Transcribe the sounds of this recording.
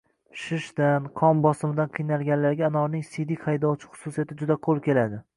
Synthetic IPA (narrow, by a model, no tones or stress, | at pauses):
ʃɪʃd̪anqʰɒmbɒsɪmɪd̪anqʰɨjnalˠɡʲanlːaɾɡʲaːnɒɾnɪŋsid̪ihajd̪ɒwt͡ʃʰɪ̥χʊ̥susijat̪ʰɪd͡ʒʊd̪aqʰolˠkʲe̞lad̪ɪ